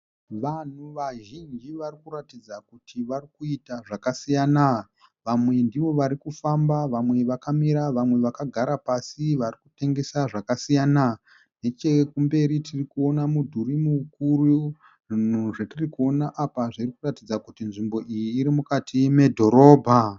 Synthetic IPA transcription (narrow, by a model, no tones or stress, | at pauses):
ʋan̤uʋaʒind͡ʒiʋarikuɾatid͡zakutʰiʋarikuitaʐakasijana | ʋamwe̞ndiʋo̞ʋaɾikufambaʋamwe̞ʋakamiɾaʋamwe̞ʋakaɡʱaɾapasiʋarikute̞ŋɡe̞saʐakasijana | ne̞t͡ʃe̞kumbe̞ɾitirikuo̞namudʱuɾimukuru | ʐin̤uʐe̞tirikuo̞naʔapaʐirikuratid͡zakutinʐimbo̞ʔijiːɾimukatʰime̞dʱo̞ɾo̞ːbʱa